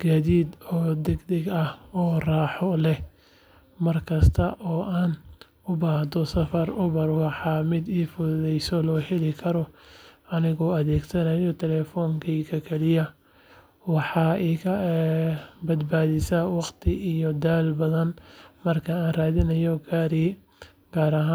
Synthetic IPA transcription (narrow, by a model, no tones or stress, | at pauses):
ɡ̥aðiːd̪ɔːd̪ɛɡd̪ɛɡɐhɔːraːħɔlɛ | mɐrkʰɐst̪ʰɐʔɔːʔaːn | ʊbaːhd̪ɔsɐfɐrʊβɐrwɑħɑmɪd̪iːfʊððɛjsɔlɔːħɪlɪkʰɐɾɔɐnɪɣɔːɐðɛːɡsɐnɐjɔt̪ʰɛlɛːfɔːŋkʰiːkʰɐkʰɛlɪjɐ | wɑħɑːɛkʰɐ | bɐd̪baːðɪsawɑqt̪ʰɪʔijɔd̪aːlbɐðɐnmɐrkʰɐaːnraːðɪnɐjɔɡaːɾiː | ɡ̥aːɾɐɦaː